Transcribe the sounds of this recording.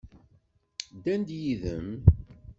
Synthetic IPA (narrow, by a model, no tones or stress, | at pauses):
d̪ænd̪jiðə̰m